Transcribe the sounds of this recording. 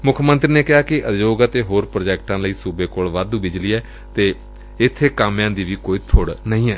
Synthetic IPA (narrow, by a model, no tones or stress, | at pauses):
mʊkʰmə̃nt̪ɾiːneːkɪɦaːkɪʔəd͡ʒoːɡaːt̪eːɦoːɾpɾoːd͡ʒɛːk̚ʈãːləiːsuːbeːkoːlʋaːd̪ũːbɪd͡ʒliːɛː | t̪eː | ɪt̪ʰːeːkamjãːd̪iːʋiːkoːiːt̪ʰʊɽnəĩːɛː